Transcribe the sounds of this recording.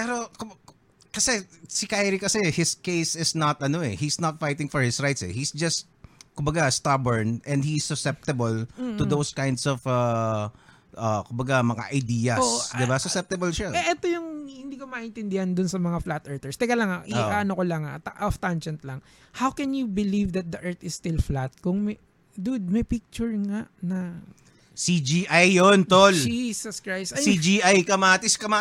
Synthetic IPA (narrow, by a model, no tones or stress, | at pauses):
pɛɾo̞kʊ | kɐsɛsɪkajɾikɐsɛhɪskejsɪsnɐt̪ʔɐnoɛhisnɐt̪̚fajt̪ɪŋfɔɹhɪsɹajt̪sɛ̰hisd͡ʒɐst̪̚kʊmbɐɡast̪abɔɹnʔɛ̃nd̪̚hisːʊsɛp̚t̪ɐbɐlt̪ʊd̪owskãj̃nd̪sɔvɐ | ʔɐkʊmbɐɡamɐŋa̰ʔɐjd̪iːjɐosd̪ɪbasʊsɛp̚t̪ɐbɐlʃaɛʔɛt̪ojʊŋhɪ̃nd̪iːkomɐʔɪnt̪ɪnd̪ɪhand̪ʊnsɐmɐŋaflat̪ʔɛɹt̪ɛɹst̪ɛɡɐlɐŋaʔɪʔaːɐnokolɐŋat̪aʔaft̪and͡ʒɛnt̪lɐŋ | hawkɛnjʊbɪlivd̪ɐt̪̚d̪ɐʔɛɹt̪ɪsːt̪ɪlflat̪̚kʊŋmɛ | d̪ʊd̪̚mɐjpik̚t͡ʃʊɹŋaʔnɐ | sid͡ʒiʔajːont̪old͡ʒisɐskɹajst̪ɐid͡ʒiʔajkɐmaːt̪ɪskɐma